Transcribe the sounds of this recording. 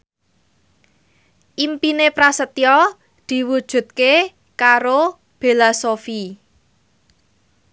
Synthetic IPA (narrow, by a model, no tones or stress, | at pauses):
ʔimpinepɾasət̪ijɔ | d̪̥i̤wud̥ʒ̥ṳt̪̚ke | kaɾo | b̥elasofi